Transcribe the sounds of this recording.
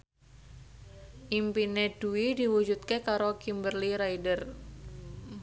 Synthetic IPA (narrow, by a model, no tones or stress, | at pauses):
ʔimpined̥uwidiwud͡ʒut̪̚kekaɾokimbərliɾaidər